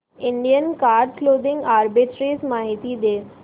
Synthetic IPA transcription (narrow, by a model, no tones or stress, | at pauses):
ɪ̃ɳɖijənkaːɾɖkloːd̪ɪ̃ŋɡaːɾbɪʈɾeːzmaːɦɪt̪id̪eː